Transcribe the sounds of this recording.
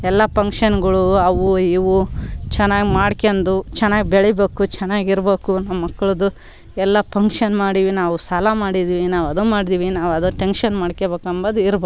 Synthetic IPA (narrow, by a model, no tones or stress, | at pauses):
ɛlːɐpɐŋkʂɐnɡɐɭuɐʋuiʋut͡ʃɛnːaːɡimaːɽkend̪ut͡ʃɛnːaːɡibɛɭɛbeːkut͡ʃɛnːaːɡiɾbeːkunɐɐmːɐkːɐɭɐd̪u | ɛlːɐpɐŋkʂɐnmaːɽiʋinaːʋusɐlamaːɽid̪iːʋinaːʋɐd̪umaːɽid̪iːʋinaːʋɐd̪uʈenʃɐnmaːɽkebeːkɐmbɐd̪iɾbeː